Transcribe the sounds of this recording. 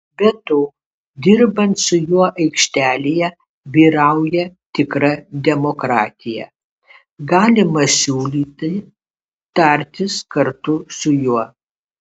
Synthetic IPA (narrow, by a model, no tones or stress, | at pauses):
bʲɛt̪oː | d̪ʲɪɾbɐnt̪sʊjuɔʔɐɪkʃʲt̪ʲæːlʲɪjɛ | bʲiːɾɐʊjɛt̪ʲɪkɾɐd̪ʲɛmokɾɑːt̪ʲɪjɛ̰ | ɡɑːlʲɪmɐsʲuːlʲiːt̪ʲɪ | t̪ɐɾʲt̪ʲɪskɐɾt̪ʊsʊjuɔ